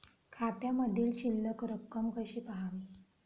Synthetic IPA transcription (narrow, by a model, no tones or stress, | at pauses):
kʰat̪jaməd̪ʱiːlɕilːəkɾəkːəmkəɕiːpəɦaʋiː